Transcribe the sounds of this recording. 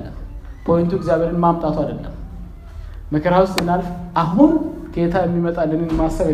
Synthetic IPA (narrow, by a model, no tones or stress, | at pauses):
lːəmpʰo̞jnt̪ʰueɡzjaβe̞ɾɨnmamt̪ʼat̪ʰuad̪əlːə̰mː | əkʰəɾawʊst̪ʼmɨnalfʔaɦun | ɡe̞t̪ʰajɛmːimət̪ʼalːənenmːasːəβɛ